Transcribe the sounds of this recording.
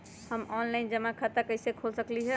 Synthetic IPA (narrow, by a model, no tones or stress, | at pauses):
həmɔnlaɪnd͡ʒəmãkʰət̪akəɪsekʰolsəkliɦɛ